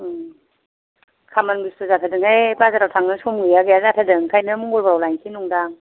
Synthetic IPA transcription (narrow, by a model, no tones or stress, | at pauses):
kʰamanbistuzatʰadɯŋhajbazadawtʰaŋnɯsumɡɯaɡeazatʰadɯŋkʰajnɯmuŋɡɔlbawlajŋsʰinɔŋdaŋ